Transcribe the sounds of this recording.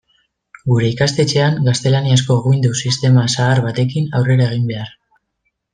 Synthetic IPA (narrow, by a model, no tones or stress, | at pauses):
ɡuɾe̞ikast̪e̞t͡ʃe̞aŋɡast̪e̞laniasko̞ɣuind̪usist̪e̞masaːɾβat̪e̞kinawre̞ɾae̞ɣ̞imbe̞ar